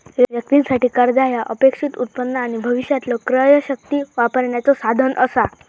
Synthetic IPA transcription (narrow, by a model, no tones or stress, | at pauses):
jʋjək̚t̪insaʈiːkəɾd͡z̪ajaʔəpekʂit̪ut̪̚pənːəaɽ̃ibʱəʋiɕjat̪lɔkɾəjəɕək̚t̪iːʋapəɾɳjat͡sɔsad̪ʱənʔəsa